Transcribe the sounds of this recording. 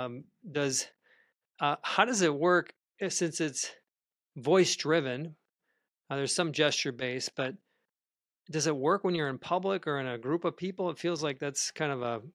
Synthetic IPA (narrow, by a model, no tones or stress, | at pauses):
m | dʌz̥ | ʌhaʊɾʌzɨt̚wɜ˞k | sɪ̃nsɨts | vɔɪsdɹɪvɨ̃n | ðə˞z̥sʌ̃md͡ʒɛst͡ʃə˞beɪsb̥ʌt̚ | d̥ʌzɨt̚wɜ˞kwə̃njə˞ɨ̃npʰʌblɪkə˞ɨ̃nɨɡɹupʌv̥pʰipl̩ˠətfilˠzlaɪk̚ðætskʰãɪ̃ndʌvə